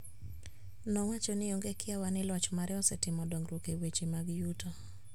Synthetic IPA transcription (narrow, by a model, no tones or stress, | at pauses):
nɔwat͡ʃɔnɪoŋɡekɪawanɪlɔt͡ʃmaɾɛɔsɛtɪmɔdɔŋɡɾokewet͡ʃimaɡjutɔ